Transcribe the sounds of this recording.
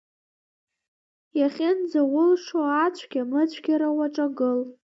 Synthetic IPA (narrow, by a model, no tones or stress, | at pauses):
jaχʲɪnd͡zawʊlʂoat͡ɕʷʰɡʲamɨt͡ɕʷʰɡʲaɾawaʈ͡ʂʼaɡɨl